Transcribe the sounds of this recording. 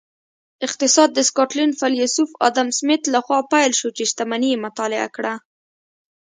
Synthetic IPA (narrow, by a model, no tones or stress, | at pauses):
ɪqt̪ɪsɑd̪ːəskɑʈlinfaljusufɑ̰d̪amsmɪt̪laxwɑpajlʃot͡ʃeʃt̪amanijemʊt̪ɑlɪa̰kɽa